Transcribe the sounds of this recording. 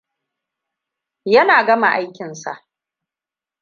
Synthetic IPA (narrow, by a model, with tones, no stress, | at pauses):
jɐ˦naː˨ɡɐ˦ma˨ʔa˦jkʲɪ˨nsa̰˨ʔ